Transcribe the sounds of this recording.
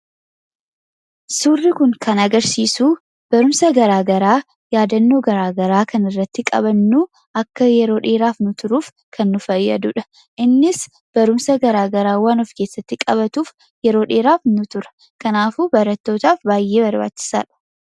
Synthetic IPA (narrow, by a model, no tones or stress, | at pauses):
suːrːɪkʊŋkʰɐnɐɡɐɾsiːsuː | b̥ɐɾʊmsɐɡɐɾaːɡɐɾaː | jaːd̪ɐnːoːɡɐɾaːɡɐɾaːkʰɐnɪrːɐt̪ːɪkʼɐ̰βɐnːuː | ɐkːɐjɛɾo̞ːᶑe̞ːɾaːfnʊt̪ʊɾuːf | kʰɐnːʊfɐjːɐ̰d̪ʊᶑɐ̥ | ʔɪnːɪs | b̥ɐɾʊmsɐɡɐɾaːɡɐɾaːwaːnɔfke̞ːsːɐt̪ːɪkʼɐβɐt̪uːf | jɛɾo̞ːᶑe̞ːɾaːfnʊt̪ʊɾɐ̥ | kɐnaːfuːbɐɾɐt̪ːo̞ːt̪aːfbaːjːe̞ːbɐɾba̰ːt͡ʃt͡ʃːɪ̥sa̰ːᶑɐ̥